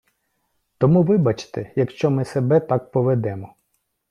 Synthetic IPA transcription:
t̪ɔmuʋɪbɐt͡ʃɪ̥t̪ejɐkʃt͡ʃɔmɪsebɛt̪ɑk̚pɔʋed̪ɛmɔ

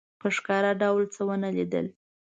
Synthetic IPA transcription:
pəʂkɑɾaɖawlt͡səwənəlid̪ə̰l

